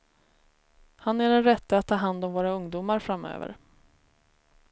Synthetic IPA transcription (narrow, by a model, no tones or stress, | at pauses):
hanæɖɛnɾɛt̪ːaat̪ʰːɑːɦand̪ɔmvoːɾaɵŋd̪uːmaɾfɾamø̰ːvə̰ɾ